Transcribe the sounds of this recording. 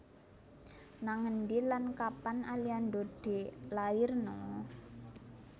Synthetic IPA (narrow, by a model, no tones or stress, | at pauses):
naŋənɖilankapanaliandod̥e̤laɪrnɔ